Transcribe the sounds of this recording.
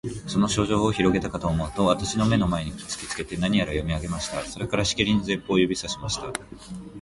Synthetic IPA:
so̞no̞ɕo̞ːʑo̞ːçiɾo̞ɡe̞t̪akat̪o̞ːmo̞ɯt̪o̞β̞at̪aɕino̞me̞no̞mae̞ɲ̟ikʲi̥t͡sɨ̥kʲi̥t͡sɨ̥ke̞t̪e̞naɲ̟ijaɾajo̞mʲiaɡe̞maɕi̥t̪aso̞ɾe̞kaɾaɕi̥kʲeɾʲinze̞pːo̞ːjobʲisaɕimaɕi̥t̪a

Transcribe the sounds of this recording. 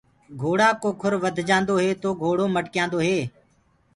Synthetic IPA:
ɡʱoːɽaːkoːkʰʊɾʋəd̪ʱd͡ʒãːnd̪oːɦeːt̪oːɡʱoːɽoːməʈkɪjãːnd̪oːɦeː

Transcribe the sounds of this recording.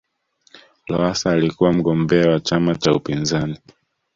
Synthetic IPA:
lɔasaːlikuwam̩ɠɔmbɛawat͡ʃamat͡ʃaupinzani

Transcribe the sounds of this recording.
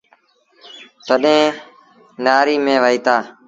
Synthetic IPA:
t̪əɗẽː | naːɾiːmẽːʋəiːt̪aː

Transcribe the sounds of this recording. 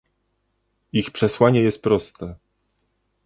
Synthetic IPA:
ixpʂɛswaɲɛjɛst̪̚pɾɔst̪ɛ

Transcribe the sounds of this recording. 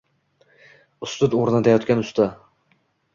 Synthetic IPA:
ʊst̪ʊd̪oɾnat̪ʰajɒt̪kʲanʊst̪ʰa

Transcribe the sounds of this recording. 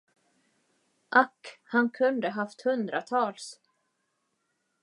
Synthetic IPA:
ʔakhankʰɵnd̪əɦaft̪hɵnd̪ɾat̪ʰɑːls

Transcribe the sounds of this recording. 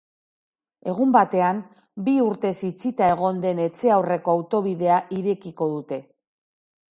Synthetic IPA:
e̞ɣ̞umbat̪e̞am | biuɾt̪e̞sit͡sit̪ae̞ɣ̞o̞nd̪e̞ne̞t͡se̞awre̞ko̞awt̪o̞βiðe̞aʔiɾe̞kiko̞ðut̪e̞

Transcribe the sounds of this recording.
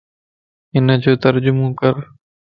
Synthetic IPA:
ɪnəd͡ʒoːt̪əɾd͡ʒʊmõːkəɾ

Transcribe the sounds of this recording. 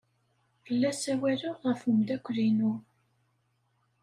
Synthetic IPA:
fəlːæsæwælʊʁəfumd̪ækʷːðinʊ

